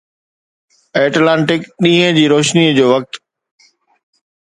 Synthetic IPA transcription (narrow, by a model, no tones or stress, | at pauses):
eːʈlãːɳʈɪkɗĩːɦə̃d͡ʑiːɾoːʃniːəd͡ʑoːʋɐk̚t̪